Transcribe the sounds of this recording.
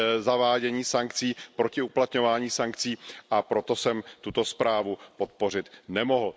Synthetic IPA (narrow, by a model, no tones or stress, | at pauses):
zavaːɟɛɲiːsaŋkt͡siːpɾo̞cɪuplat̪ɲo̞vaːɲiːsaŋk̚t͡siːʔapɾo̞t̪o̞sɛmt̪ut̪o̞spɾaːvupo̞t̪̚po̞r̝ɪt̪nɛmoɦl̩